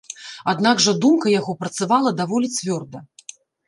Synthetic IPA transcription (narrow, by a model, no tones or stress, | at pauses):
ad̪naɡʐɐd̪umkɐjaɣɔpɾɐt̪savalˠɐd̪avɔlʲit͡sʲvʲɔrd̪ɐ